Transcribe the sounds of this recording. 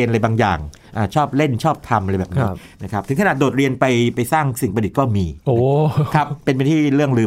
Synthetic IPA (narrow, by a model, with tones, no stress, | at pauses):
i˧nʔa˧ɾa˧jbaː˧ŋja̰ː˨˩ŋ | ʔaː˨˩t͡ɕʰɔː˥˩p̚le˥˩nt͡ɕʰɔː˥˩p̚t̪ʰa˧mʔa˧ɾa˧jbɛː˨˩p̚niː˦˥ | na˦˥kʰp̚t̪ʰɯ˩˦kʰa˧a˨˩doː˨˩t̪̚ɾi˧ənpa˧jpa˧jsaː˥˩ŋsi˨˩ŋpa˧d̪̚kɔː˥˩miː˧ʔoː˧kʰa˦˥pːe˧np̬t̪ʰiː˥˩ɾɯ˥˩əŋɾɯː˧